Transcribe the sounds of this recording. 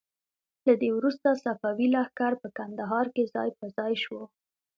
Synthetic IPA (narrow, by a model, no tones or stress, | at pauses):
lad̪ewɾust̪asafɑwilɑhkaɾpəkand̪aɦɑɾkezɑ̰jpəzɑjʃwə